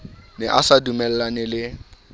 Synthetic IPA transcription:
nɪʔasadumɛl̩lanɪlɪ

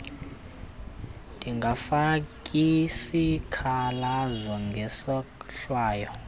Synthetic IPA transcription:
tiŋɡafakʼisikʰalazʷɔŋɡɛsɔkɬwaːjɔ

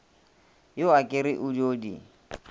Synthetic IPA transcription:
joakʼɪɾɪʔʊd͡ʒoːdi

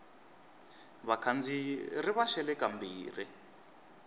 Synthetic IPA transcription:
βakʰand͡ziriβaʃɛlɛkambiːri

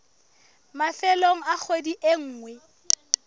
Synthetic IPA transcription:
mafɛloŋ̩ak͡xʰwediʔeŋ̩ːŋwɛ

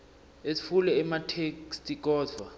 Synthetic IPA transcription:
esi̥fulɛːmatʰekstʼik̬ʼɔːdʱwa

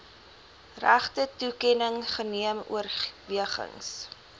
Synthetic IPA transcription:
ræχtətukɛnəŋχəniəmṵərviəχə̰ŋs

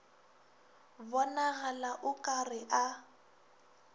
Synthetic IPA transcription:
bɔnaɣalaʔʊkʼarɪʔa

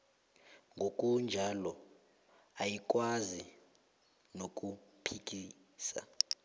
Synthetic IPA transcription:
ŋɡʱokʼund͡ʒʱalɔ | ajik̬ʼwazi | nok̬ʼupʰik̬ʼiː | sa̰

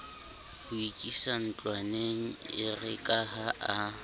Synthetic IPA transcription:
hʊikʼisan̩t͡ɬʼwaneŋ̩ɪrɪkʼahaʔa

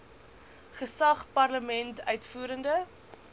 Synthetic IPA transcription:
χəsɐχpɐrləmɛntœɥtfuːɾəndə

